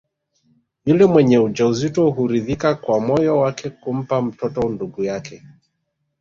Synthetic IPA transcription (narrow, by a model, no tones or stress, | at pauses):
julɛmwɛɲɛud͡ʒauzitɔɦuɾiðikakwamɔjɔwakɛkum̩pam̩tɔtɔnduɡujakɛ